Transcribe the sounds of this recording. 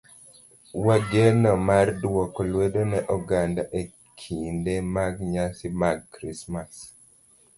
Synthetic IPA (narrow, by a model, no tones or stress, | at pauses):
waɡenɔmardwɔkɔlwedonɛʔɔɡandaʔe | kʰindemaɡɲasimaɡ̚kɾismas